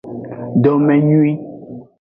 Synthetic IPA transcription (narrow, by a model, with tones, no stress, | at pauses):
dɔ˨mɛ˨ɲũ˦i˦